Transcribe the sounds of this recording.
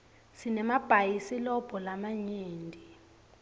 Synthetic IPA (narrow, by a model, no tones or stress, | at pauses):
sinɛmab̥ʱajisilɔb̥ʱɔlamaɲeːndʱi